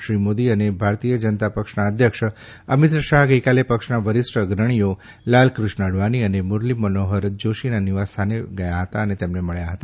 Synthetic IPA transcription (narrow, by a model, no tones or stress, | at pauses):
ʃɾimod̪iənebʱaɾt̪ijəd͡ʒənt̪apəkʃnaəd̪ʱjəkʂ | əmit̪ɾəʃaɦɡəjkalepəkʃnaʋəɾɪsɾəɡɾəɳ̃ijo | lalkɾʊʃnaɽʋaniənemʊɾlimːənoɦəɾd͡ʒoʃinaniʋast̪ʰaneɡəjaɦət̪aənet̪emneməɭjaɦət̪a